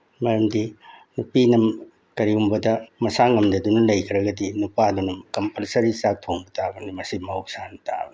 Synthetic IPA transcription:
mɐɾɐmdinupinɐm | kɐɾiumbɐdɐmɐsaŋɐmdɐdunɐlɐjkʰɾɐɡɐdinupadunɐmkɐmpɐlsɐɾisak̚tʰombɐtʰabɐnimɐsimɐwsanɐtʰa̰b

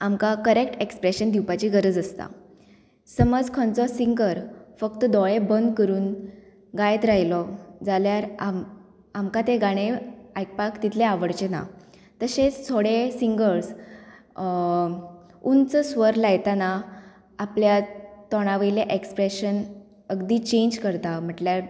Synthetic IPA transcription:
amkakəɾekʈekspɾeɕənd̪iwpat͡ɕiːɡəɾəd͡zəst̪a̰ | səməd͡zkʰɔnt͡sɔsiŋɡəɾfək̚t̪əd̪ɔɭebənd̪kəɾuːn | ɡajt̪ɾaɦjilɔd͡zaljaɾam | amkat̪eɡaɽ̃eajk̚pakt̪it̪ʰleaʋəɽt͡ɕena̰ | t̪əɕet͡st̪ʰoɽesiŋɡəɭs | unt͡səsʋəɾlajt̪ana | apljat̪ɔɽ̃aʋəjleʔekspɾeɕən | əɡd̪iːt͡ɕeɲd͡ʑkəɾt̪am̤əʈljaɾ

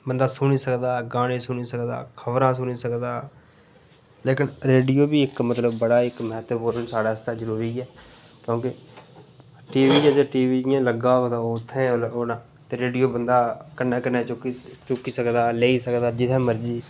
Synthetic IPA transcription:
bənd̪aːsʊniːsəkd̪aːɡaːnẽːsʊniːsəkd̪a̰ːkʰəbɾãːsʊniːsəkd̪aː | leːkɪnɾeːɖijoːbiːɪkmət̪ləbːəɽaːɪkmɛːt̪əboːɾənsaːɽaːst̪ãːzəɾuːɾiːɛː | kjõːkɪ | ʈiːʋiːd͡ʒɛːd͡ʒeːʈiːʋiːd͡ʒɪjãːləɡaːd̪aːoːʊt̪ʰːẽːoːnãː | t̪eːɾeːɖijoːbənd̪aːkənːãːkənːẽːt͡ʃkt͡ʃʊkiːsəkd̪aːleːiːsəkd̪aːd͡ʒɪt̪ʰẽːməɾd͡ʒiː

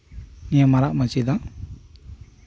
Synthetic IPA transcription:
nijamaɾaʔmat͡ʃid̪aŋ

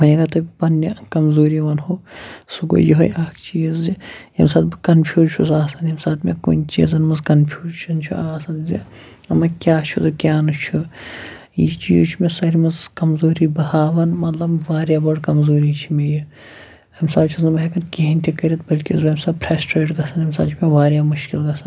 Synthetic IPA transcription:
mɐjiɡat̪ɐpɐnːɐkɐmzoːɾiʋɐnɦoːsuɡo̰joɦo̰jʔaːkʰt͡ʃiːzijɐ̰msaːt̪̚bɨkɐnpʰʲjuːzt͡ʃʰusaːsɐnjɐmsaːt̪mḛkṵnʲt͡ʃḭːzɐnmɐzkɐnpʰʲjuːzt͡ʃʰɐnt͡ʃʰṵaːsɐnzi | ɐmɐkʲjaːt͡ʃʰuzukʲaːnɨt͡ʃʰu | jit͡ʃḭːut͡ʃʰumesɐɾimɐzkɐmzoːɾibɐhaːʋɐnmɐt̪lɐbʋaːɾjaːbɐɽkɐmzoːɾit͡ʃʰimeji | ɐmsaːbt͡ʃʰuzɐmɐɦekɐnkʲiɦinʲt̪ʰʲikɐɾʲiɐt̪̚bɐlʲkizbɐmsaːpʰɾaːsʈɾeːʈɡɐsʰɐnɐmsaːt͡ʃʰmeʋaːɾjaːmʊʃkilɡɐsɐn

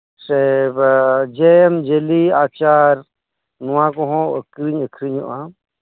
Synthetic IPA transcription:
sebd͡ʒeemd͡ʒeliaːt͡ʃaːɾ | nuwãkɔɦɔ̃əkɾiɲəkɾiɲɔ̰ʔã

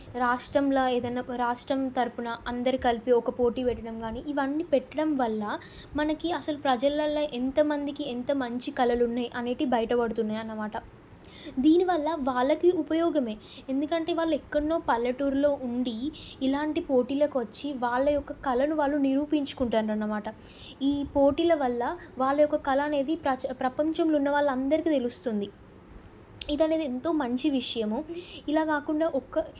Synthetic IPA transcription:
ɾaːʂʈɾɐmlɐːeːd̪ɐnːaːɾaːʂʈɾɐmt̪ɐɾupunɐʔɐnd̪ɐɾikɐlpiɔkɐpo̞ːʈiːʋɛʈːɐɽɐmɡaːniːʔiʋɐnːipɛʈːɐɽɐmʋɐlːɐ | mɐnɐkiɐsɐlupɾɐd͡ʒɐlɐlːɐʔent̪ɐmɐnd̪ikiɛnt̪ɐmɐɲt͡ʃikɐlɐlunːaːjiʔɐneːʈibɐjɐʈɐpɐɽut̪unːaːjɐnːɐmaːʈɐ | d̪iːniʋɐlːɐʋaːɭːɐkiupɐjɔːɡɐme̞ː | end̪ukɐɳʈe̞ːʋaːɭːɐɛkːɐɽɐnːoːpɐlːɐʈuːɾlo̞ːʔuɳɖiːlaːɳʈipo̞ːʈiːlɐkuʋɐt͡ʃːiʋaːɭːɐjɔkːɐkɐlɐnuʋaːɭːuniɾuːpiɲt͡ʃu̥kuɳʈaːɾɾuɐnːɐmaːʈɐ | iːpo̞ːʈiːlɐʋɐlːɐʋaːɭːɐjɔkːɐkɐlɐːne̞ːd̪ipɾɐpɾɐpɐɲt͡ʃɐmlunːɐʋaːɭːɐnd̪ɐɾikiːt̪e̞lust̪und̪i | id̪ɐne̞ːd̪ient̪o̞ːmɐɲt͡ʃiʋiʂɐjɐmuilaːkaːkuɳɖaːʔɔkːɐ

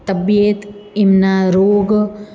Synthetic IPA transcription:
t̪ɐbjeːt̪imnaːɾoːɡ

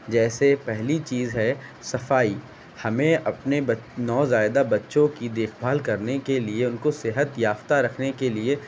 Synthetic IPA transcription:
d͡ʒɛːsepɛɦlit͡ʃiːzɦɛsɐfaːi | hɐmẽɐpnebɐnɔːzaːjɪd̪abɐtːʃõkid̪eːkʰbʱaːlkɐɾnekelieʊnkosɪɦət̪jaːft̪aɾɐkʰnekelie

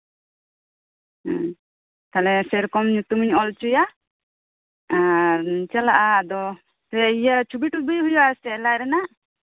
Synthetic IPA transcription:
t̪alɛsɛɾkɔmɲut̪umiɲɔlt͡ʃuja | aɾt͡ʃɛla̰ʔad̪ɔ | sɛijat͡ʃʰubiʈubijɦujɔasɛlajɾɛnaʔ

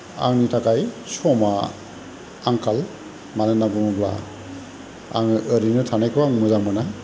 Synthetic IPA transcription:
a̰ŋnitʰakajsɔma | aŋkal | manɯnabɯmɔbla̰ | a̰ŋəɾinɯtʰanajkʰɯwaŋmɯzaŋmɯna

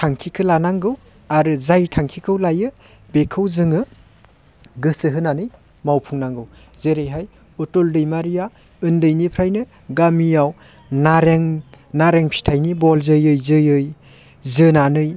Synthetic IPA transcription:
tʰaŋkʰikʰɯlanaŋɡɯw | aɾɯzajtʰaŋkʰikʰɯwlajɯ | bekʰɯwzɯŋɯ | ɡɯsɯɦɯnanɯj | mawpʰuŋnaŋɡɯw | zeɾejɦaj | utɔldɯjmaɾija | ɯndɯjnipʰɾajnɯ | ɡamijaw | naɾeŋnaɾeŋpʰi̥tʰajnibɔlzɯjɯjzɯjɯj | zɯnanɯj

